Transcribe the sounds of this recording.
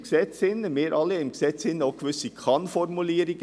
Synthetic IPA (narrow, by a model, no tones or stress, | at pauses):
ɡsɛt͡sɪnːəmeːɾʔɑlːiɪmɡ̥sɛt͡sɪnːəoʊɡ̥ʋʏsikʰɑnfɔɾmuliːɾiɡ̥ə